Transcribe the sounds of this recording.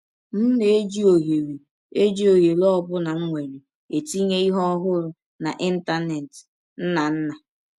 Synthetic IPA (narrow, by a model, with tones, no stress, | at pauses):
m̩˦ne˨e˦d͡ʒi˦o˨ɦe˨ɾi˨ | e˦d͡ʒi˦o˨ɦe˨lɔ˦bʊ˦na˨ŋ̩˦ŋʷe˨ɾi˨ | e˨ti˦ɲe˦i˦ɦɔ˦ɔ˦ɦʊ˦ɾʊ˨ | na˨ʔi˦n̩˦ta˦ne˨t | n̩˦na˨n̩˦na˨